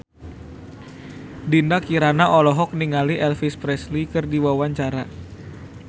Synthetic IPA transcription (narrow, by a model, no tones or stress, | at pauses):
dindakiɾanaʔɔlɔɦɔk̚niŋaliʔɛlfispɾɛslikɨrdiwawaɲt͡ʃaɾa